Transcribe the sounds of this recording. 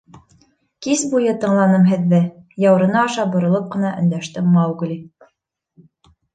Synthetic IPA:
kisbujɤt̪ɤ̆ɴlˠɑnɤmɦɘ̆ðːɘjɑwɾɤ̆nɑːʃɑbŏɾŏlˠɤp̚qɤ̆nɑʔɵ̰̆nd̪æʃt̪ɘmɑwɡ̆lʲi

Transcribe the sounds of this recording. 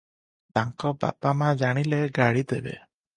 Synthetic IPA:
t̪aŋkɔba̰pamãd͡ʒaɽ̃ileɡaɽid̪ebḛ

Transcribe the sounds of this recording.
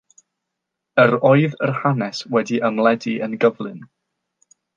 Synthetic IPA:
əɾɔɨðərhanɛswɛdiʔəmlˠɛdiʔənɡəvlˠɨn

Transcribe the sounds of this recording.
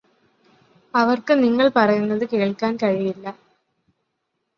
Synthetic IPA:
ɐʋɐrkɨniŋːɐɭpɐrɐjunːɐðɨkeːɭkːaːnkɐɻijilːɐ

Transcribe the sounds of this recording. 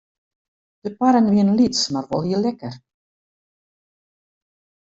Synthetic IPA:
d̥əpaɾənʋiənlitsmarʋɔ̰lˠjəlɛkər

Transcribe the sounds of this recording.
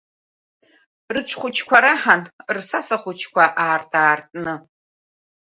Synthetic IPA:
rɨt͡ʃʷʰχʷʊt͡ʃʰkʷʰaɾaħanrsasaχʷʊt͡ʃʰkʷaʔaːrtʰʼaːrtʼnɨ

